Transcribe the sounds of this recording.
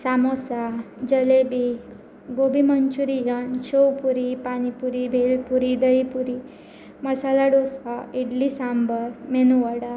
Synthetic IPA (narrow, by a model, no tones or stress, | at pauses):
samosad͡ʑəlebi | ɡobʱimənt͡ɕuɾijənt͡ɕowpuɾipanipuɾibʱelpuɾid̪əipuɾi | məsalaɽosaiɽlisambəɾmenuʋəɽa